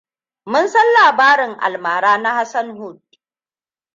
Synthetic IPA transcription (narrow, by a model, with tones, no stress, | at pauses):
mʊ˦nsɐ˦nlaː˨baː˦ɾɪ˨ŋʔa̰˨lmaː˨ɾaː˦na˦ha˦sɐ˦nɦʊ˦˨d̚